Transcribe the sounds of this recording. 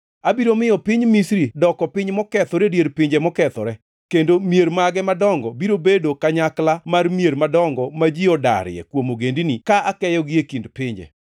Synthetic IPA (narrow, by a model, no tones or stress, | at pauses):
abiɾomɪjɔpɪɲmisɾidɔkɔpɪɲmɔkɛt̪ɔɾedjeɾpɪɲd͡ʒɛmɔkɛt̪ɔɾɛ | kendomjeɾmaɡɛmadɔŋɡɔbiɾobedokaɲaklamarmjeɾmadɔŋɡɔmad͡ʒiɔda̰ɾjɛ̰kwomoɡendinikaʔakɛjɔɡɪekindpɪɲd͡ʒɛ̰